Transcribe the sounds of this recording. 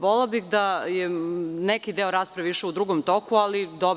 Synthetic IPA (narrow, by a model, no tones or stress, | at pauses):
ʋollabixd̪ajenɛkid̪eoɾaːspɾaʋiʃeud̪ɾuɡomt̪okualid̪ob